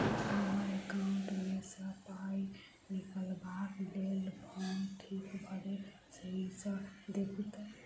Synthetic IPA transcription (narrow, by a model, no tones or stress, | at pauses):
aɦekawɳʈmesəpaj | nikəlbaklelbʱʌnʈʰikbʱʌɾe | səɦit͡sʰʌd̪ekʰut̪ə